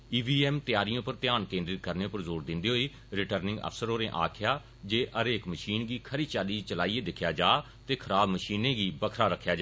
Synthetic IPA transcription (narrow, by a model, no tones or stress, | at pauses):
iːʋiːɛːmt̪ɪjaːɾɪjõːpəɾt̪ɪjaːnkẽːnd̪ɾɪkəɾnẽːpəɾzoːɾd̪ɪnd̪iːɦoːiː | ɾɪʈəɾnɪ̃ŋɡə̰fsəɾɦoːɾẽːʔa̰ːkʰɪjaː | d͡ʒeːʔəɾeːkməʃiːnɡiːkʰəɾiːt͡ʃaːliːt͡ʃəlaːiːeːd̪ɪkʰːjaːd͡ʒaː | t̪eːkʰəɾaːbməʃiːnẽːɡiːbəkʰɾaːɾəkʰːjaːd͡ʒaː